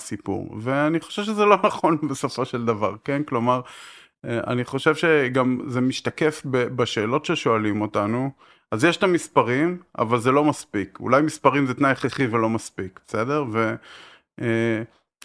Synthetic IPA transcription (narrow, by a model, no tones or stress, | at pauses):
sipṵʁveaniχo̞̥ʃevʃezelo̞naχo̞nbesofo̞ʃeld̪ava̰ʁkenklo̞maʁ | a̰niχo̞ʃe̞vʃe̞ɡamzemiʃt̪akefbebaʃe̞ːlo̞tʃeʃoalimo̞tanu | azjeʃtamispaʁima̰valzelo̞maspikṵlajmispaʁimzet̪najχeχivelo̞maspikbese̞d̪e̞ʁve̞